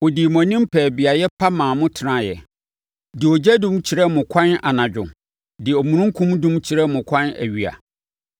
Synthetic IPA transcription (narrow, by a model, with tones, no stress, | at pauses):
o˨di˨mɔ̃˨nĩ˦m˦pʰɛː˨bi˨a˨jɛ˦pʰa˦mãː˨mʊ̃˦tʰɪ˨nã˦jɛ̰˨ | dɪ˨ɔ˨d͡ʑɛ˦dʊ̃˦mt͡ɕʰi˨ɾɛ˦mʊ̃˨kʷʰã˦na˨nã˨d͡ʑᶣʊ̰̃˨ | dɪ˨ɔ˨mũ˨nũ˦ŋ˦kʰũ˦mdũ˦mt͡ɕʰi˨ɾɛ˦mʊ̃˨kʷʰã˦næ̰˨ɥi˨a̰˨